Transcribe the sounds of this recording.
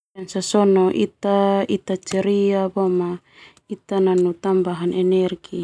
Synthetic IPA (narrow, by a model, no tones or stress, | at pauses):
ɛnsasɔnɔʔit̪ait̪at͡ʃɛɾiabɔma | it̪ananut̪ambaɦanʔɛnɛrɡi